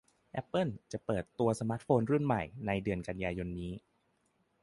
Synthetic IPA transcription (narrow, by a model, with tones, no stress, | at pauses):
ʔɛ˦˥pːɤ˥˩nt͡ɕa˨˩ʔpɤː˨˩t̪ːu˧ɐsa˧maː˦˥t̪̚foː˧nɾu˥˩nma˨˩jna˧jdɯ˧ənka˧njaː˧jo˧nːiː˦˥